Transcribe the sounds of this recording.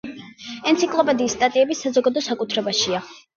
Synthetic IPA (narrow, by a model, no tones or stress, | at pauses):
ɛnt̪sʰikʼlˠɔpʼɛd̪iːsːt̪ʼat̪ʼiɛbisazɔɡad̪ɔsakʼut̪ʰɾɛbaʃia